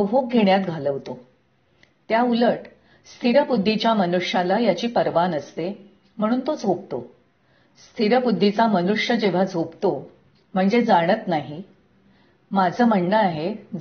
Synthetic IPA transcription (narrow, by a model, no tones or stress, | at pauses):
əɦop̚ɡʱeɳjat̪ɡʱaləʋt̪o | t̪jauləʈ | st̪ʰiɾəbud̪ʱːit͡ɕjamənuʂjalajat͡ɕiːpəɾʋanəst̪e | m̤əɽ̃uːnt̪od͡zʱob̚t̪o | st̪ʰiɾəbud̪ʱːit͡samənuʂjəd͡ʑeʋ̤ad͡zʱobt̪o | m̤əɳd͡zed͡zaɽ̃ət̪naɦi | mad͡zʱəːməɳɖəaɦe